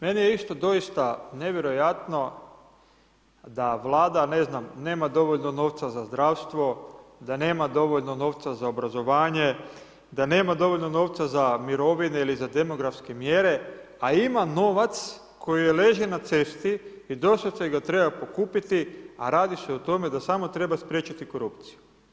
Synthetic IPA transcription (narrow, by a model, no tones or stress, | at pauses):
me̞nijeist̪od̪o̞ist̪ane̞ʋjeɾo̞jat̪no̞ | d̪aʋlˠaːd̪ane̞znamne̞ːmad̪o̞ʋo̞ʎnono̞ːʋt̪sazazd̪ɾaʋst̪ʋo̞d̪ane̞ːmad̪o̞ʋo̞ʎno̞no̞ːʋt̪sazaobɾazo̞ʋaːɲe̞ | d̪ane̞ːmad̪o̞ʋoʎnono̞ʋt̪sazamiɾo̞ʋineilizad̪e̞mo̞ɡɾafske̞mje̞ɾe̞ | aimano̞ːʋat̪s | kʰo̞jijele̞ːʒenat̪se̞st̪i | id̪o̞st̪aseɡat̪ɾe̞bapo̞kuːpit̪ia̰ɾaːd̪iseot̪o̞me̞d̪asamo̞t̪ɾe̞baspɾje̞t͡ʃat̪iko̞ɾupt̪si̥ju